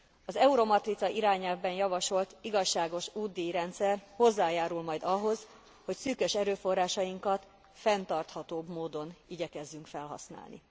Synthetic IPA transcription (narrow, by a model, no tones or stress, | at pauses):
ɒzɛuɾo̞mɒt̪rit̪sɒʔiɾaːɲɛlvbɛnjɒvɒʃo̞lt̪iɡɒʃːaːɡo̞ʃuːd̪iiɾɛnt̪sɛrho̞zːaːjaːɾulmɒjd̪ɒɦo̞z | ho̞csyːkø̞ʃɛɾøːfo̞rːaːʃɒjiŋkɒt̪ | fɛnt̪ɒrt̪hɒt̪oːbmoːd̪o̞niɟɛkɛzːyŋkfɛlɦɒ̰sna̰ːlnḭ